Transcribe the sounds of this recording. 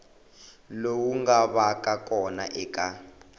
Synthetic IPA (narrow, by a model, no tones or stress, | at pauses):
lowuŋɡaβakʼakʼɔnaʔɛːkʼa